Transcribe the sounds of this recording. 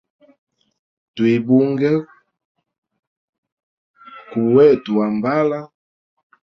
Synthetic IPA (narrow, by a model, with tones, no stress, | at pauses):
twi˨bu˦ŋɡɛ˦ | ku˨wɛ˦tu˨a˨mba˦la˦